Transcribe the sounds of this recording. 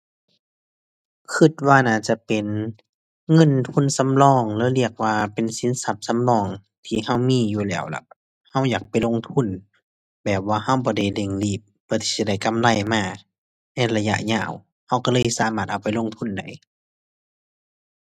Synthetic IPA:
kʰɯ˧˩t̪̚waː˧naː˧˩t͡ɕa˧pe˨n | ŋɤ˧˥˨nt̪ʰu˧˥˨nsa˧˦mlɔː˧˩˨ŋlɛː˧˦li˧˩ək̚waː˧pe˨nsi˨˦nsa˧p̚sa˧˦mlɔː˧˩ŋ | t̪ʰiː˧˨ha˧˩˨wmiː˧˥˨juː˧˩lɛ̰ː˧˩˨wla̰˧˩ | ha˧˥˩wjaː˨˩k̚pa˨jlo˧˥˨ŋt̪ʰu˧˥˨n | bɛː˨˩p̚waː˧ha˧˩wbɔː˧˦da˧˩jle˧˩ŋliː˧˩p̚ːʰɯː˧˨t̪ʰiː˧˩i˧˩da˧˩jka˧˥˨mla˧˩˨jmaː˧˩ | nɛ˧˩la˧ja̰˧ʔɲaː˧˩˨w | ha˧˥˩wkɔ˧˩lɤː˧˥˨jsaː˧˦maː˧˩t̪̚ʔa˨˩wpa˨jlo˧˥˨ŋt̪ʰu˧˥˨nda˧˩˨j

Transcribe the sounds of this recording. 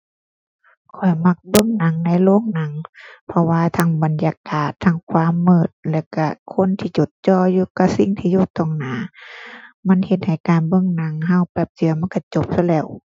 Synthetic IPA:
kʰɔ˨˩jma˧k̚bɤ˧˥˨ŋna˧˥ŋna˧˩jloː˧˥˨ŋna˧˥ŋpʰɔ˧waː˧t̪ʰaː˧˥˨ŋba˨nja˧kaː˨˩t̪ʰːaː˧˩ŋkʰwaː˧˥˨mːɤː˧˩t̪̚lɛː˧˩wka˧˩kʰo˧˥˨nt̪ʰiː˧t͡ɕo˨˦t̪̚t͡ɕɔː˧˩juː˧ka˧si˧˥˨ŋt̪ʰiː˧˨juː˧˩t̪ɔ˧˩˨ŋnaː˨˦ | ma˧˥˨nhe˧t̪̚ha˨˩jkaː˨nbɤ˧˨ŋna˧˦ŋɦa˧˥˨wpɛː˧˩p̚t͡ɕɯ˨˦ɐma˧˥˨nka˧˩t͡ɕo˧˦p̚sa˧lɛː˧˩˨w

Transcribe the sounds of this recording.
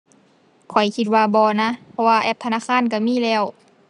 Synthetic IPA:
kʰɔ˨˩jkʰi˧t̪̚waː˧bɔː˧na˧˥˨pʰɔ˧waː˧ʔɛː˧˩p̚t̪ʰa˧naː˧˥˨kʰaː˧˥˨nka˧˩miː˧˥˨lɛː˧˩˨w

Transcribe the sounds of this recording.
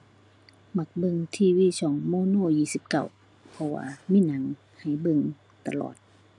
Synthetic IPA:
ma˧˩k̚bɤ˧˨ŋt̪ʰiː˧˨wiː˧˥˨sɔː˨˩˦ŋmoː˧˨noː˧˨jiː˧˩˨si˧˦p̚ka̰˨˩w | pʰɔ˧wa̰ː˧miː˧˥˨na˨˦ŋ | ha˨˩jbɤ˧˨ŋ | t̪a˧˨lɔ̰ː˨˩t̪̚

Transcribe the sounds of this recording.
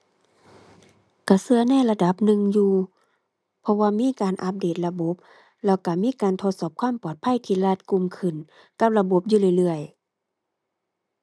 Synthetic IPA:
ka˧˩sɯ˧ɐnɛ˧˥˩la˧da˨˧˦p̚nɯ˧˨ŋjuː˧ | pʰɔ˧waː˧miː˧˥˨kaː˨nʔa˧˦p̬̚deː˨˩t̪̚la˧bo˧˦p̚ | lɛː˧˩wka˧˩miː˧˥˨kaː˨nt̪ʰo˧t̪̚sɔː˧˩p̚kʰwaː˥˨mpɔː˨˩t̪̚pʰa˧˥˨jt̪ʰiː˧laː˧˩t̪̚ku˧˨mkʰɯ˧˩n | ka˧p̚la˧bo˧˦p̚juː˧lɯ˧˩jlɯ˧˩əj

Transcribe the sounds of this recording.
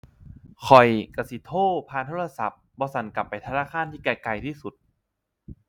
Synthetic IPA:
kʰɔ˨˩jka˧si˨˦t̪ʰoː˥˩pʰaː˧nt̪ʰoː˧˥˩la˧sa̰˨˧˩p̚bɔː˧sa˨˩˦nka˨˩pːa˨˩jt̪ʰaː˧naː˥˩kʰaː˧˥˨nt̪ʰiː˥˩kɛː˧˩ka˨˧˩jt̪ʰiː˥˩su˨˩t̪̚

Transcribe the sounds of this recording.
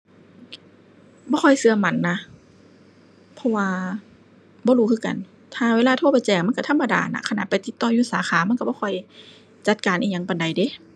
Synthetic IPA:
bɔː˧kʰɔ˧˨jsɯ˧ɐma˧˩nːa˧ | pʰɔ˧waː˧ | bɔː˧˦ɾuː˧kʰɯː˧˨ka̰˨n | t̪ʰaː˧weː˧laː˧t̪ʰo˧˥˨pa˧t͡ɕɛː˨˧˩ŋ̚ma˧˨ka˧˩t̪ʰa˧˥˨mːa˧da̰ː˨na̰˧kʰa˧na̰˧˩pa˨jt̪i˧˦t̪ːɔː˧˩juː˧˩saː˨˦xʰaː˨˦ma˧˨nka˧˩bɔː˧kʰɔ˧˩j | t͡ɕa˧˦t̪̚kaː˨nʔiː˧˨ɲa˧˦ŋpa˨nda˨jde˧˦

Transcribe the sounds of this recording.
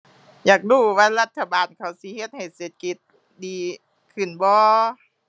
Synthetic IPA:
jaː˨˩k̚duː˧˩waː˧˥la˧t̪ʰːa˧baː˨nkʰa˨˧˦wsi˧˦he˧˦t̪̚ha˨˩jseː˨˩t̪̚ki˧˦t̪̚ | diː˨˧˦ | kʰɯ˧˨˩nbɔː˧˦

